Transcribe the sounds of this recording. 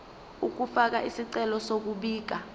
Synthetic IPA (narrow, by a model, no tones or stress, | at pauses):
uk̬ufak̬aʔisiǀɛlɔsok̬uɓiːk̬a